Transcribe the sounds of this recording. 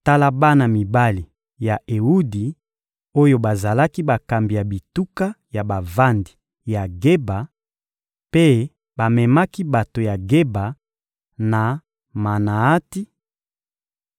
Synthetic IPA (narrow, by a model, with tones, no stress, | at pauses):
ta˦la˦ba˦na˨mi˨ba˦li˨ | ja˨ʔe˨u˦di˨ | o˦jo˦ba˨za˨la˦ki˦ba˨ka˨mbi˨ja˨bi˨tu˦ka˦ja˨ba˨va˦ndi˨ | ja˨ɡe˦ba˨ | pe˦ | ba˨mɛ˨ma˦ki˦ba˨to˨ja˨ɡe˦ba˨ | na˨ | ma˨na˨a˦ti˦